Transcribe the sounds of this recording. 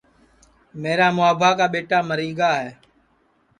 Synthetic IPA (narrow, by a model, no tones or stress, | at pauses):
meːɾaːmʊaːbʱaːkaːɓeːʈaːməɾiːɠaːɦɛː